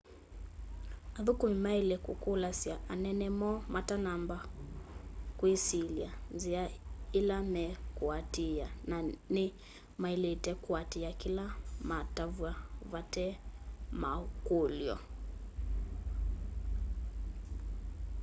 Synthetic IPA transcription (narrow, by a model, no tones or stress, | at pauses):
aðukumimailɛkukulasiaʔanɛnɛmɔmatanamba | kwisilianziailamɛkuatianani | mailɛtɛkuatiakilamatavwavatɛma̰kuljɔ̰